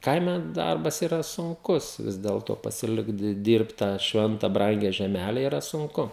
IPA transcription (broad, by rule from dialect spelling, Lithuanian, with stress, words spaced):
ˈkɐɪmʲɛ ˈdɐrbɐs iːˈrɐ sʊŋˈkʊs ˈʋʲɪs dʲɛlˠtoː pɐsʲɪˈlʲɪkt dʲiː ˈdʲiːrpt tɑː ˈʃʲʋʲɛntɐ ˈbrɐŋʲɡʲɛ ʒʲɛˈmʲælʲɛ iːˈrɐ sʊŋˈkʊ